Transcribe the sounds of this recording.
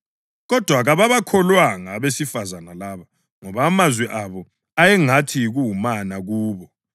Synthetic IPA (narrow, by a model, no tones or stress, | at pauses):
ɣɔd̥ʱwaɣaβaβakʰɔlwaŋaβesifazanalaβa | ŋɔβaːmazwɛʔaβɔ | ajɛŋatʰiɣuumanaɣuːβɔ